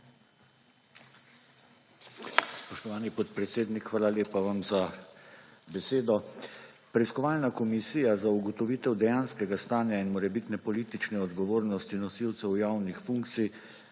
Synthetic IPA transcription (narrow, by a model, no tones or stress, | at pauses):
spɔʃt̪ɔʋaːnipɔt̪pɾɛt̪seːd̪nikxʋaːlaleːpaʋamza | bɛseːd̪ɔ | pɾɛiskɔʋaːlnakɔmisiːjazauɡɔt̪ɔʋiːt̪ɛwd̪ɛjaːnskɛɡast̪aːnjainmɔɾɛbit̪nɛpɔliːt̪it͡ʃnɛɔd̪ɡɔʋoːɾnɔst̪inɔsiwt̪sɛwjaːwnixfuŋkt̪sij